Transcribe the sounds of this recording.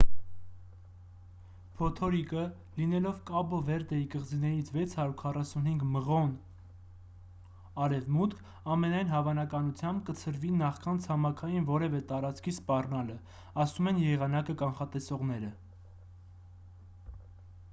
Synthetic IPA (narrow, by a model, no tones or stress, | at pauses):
pʰɔt̪ʰɔɾikə | linɛlɔvkɑbɔvɛɾd̪ɛikəʁd͡zinɛɾit͡sʰvɛt͡sʰhɑɾuɾkʰɑrɑsunɦiŋɡməʁɔn | ɑɾɛvmut̪kʰ | ɑmɛnɑjnɦɑvɑnɑkɑnut͡sʰjɑmb̚kət͡sʰəɾvinɑχkɑnt͡sʰɑmɑkʰɑjinvɔɾɛvɛt̪ɑɾɑt͡skʰispɑrnɑlə | ɑsumɛnjɛʁɑnɑkəkɑnχɑt̪ɛsɔʁnɛɾə